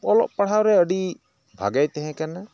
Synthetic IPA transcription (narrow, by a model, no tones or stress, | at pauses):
ɔlɔ̰ʔpaɽ̤awɾɛəɖi | bʱa̰ɡajt̪ɛɦɛ̃kana